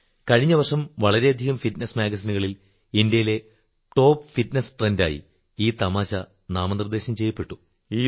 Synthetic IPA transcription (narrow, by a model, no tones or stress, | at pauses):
kɐɻiɲːɐʋɐrʂɐmʋɐɭɐɾe̞ɐd̪ʱiɣɐmfitnɐsmaːɡɐsinuɣɐɭil | indjɐjile̞ | ʈo̞ːpfitnɐsʈrenda̰ːjḭ | iːt̪ɐmaːɕɐ | naːmɐnd̪rd̪e̞ːɕɐmt͡ɕe̞jːɐpːe̞ʈːu